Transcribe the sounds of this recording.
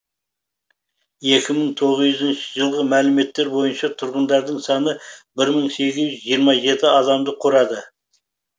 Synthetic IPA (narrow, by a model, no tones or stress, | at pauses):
je̞kʲɪməɴt̪ʰo̞ʁəzʏzənʃəʒəlˠʁəmælɪme̞t̪ːe̞ɾbo̞jənʃɑt̪ʰʊɾʁənd̪ɑɾd̪əɴsɑnəbɪɾməɴse̞ɡʲɪzʏʒijəɾmɑʒe̞t̪ɪɑd̪ɑmd̪əqʰʊɾɑd̪ə